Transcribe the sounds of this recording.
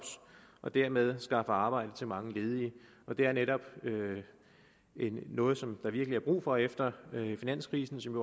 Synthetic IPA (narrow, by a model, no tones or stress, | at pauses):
b̥sʔɒ̽d̥æɐ̰með̞ˠsɡ̥ɑ̈fəɑ̈ːb̥ɑ̈ɪ̰d̥ət͡sʰe̝lmɑ̈ŋəle̝ːð̞ˠi | ʔɒ̽d̥eæɐneɾɒ̽b̥ø | enːɔ̽ːð̩ˠsɒ̽md̥ɑ̈ʋiɐɡ̥əliæɐb̥ʁṵːfɒ̽efd̥ɐfinæn̰skʰʁiːsn̩sɒ̽mjo